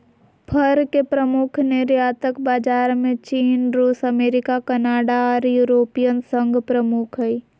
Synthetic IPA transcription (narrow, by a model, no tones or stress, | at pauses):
pʰəɾkepɾəmʊkʰneɾjaːt̪əkbaːd͡ʒaːɾmẽt͡ʃiːnɾuːsɐmeːɾɪkakənaːɽaɔːɾjuːɾoːpijənsə̃ŋɡʱpɾəmʊkʰɦɛi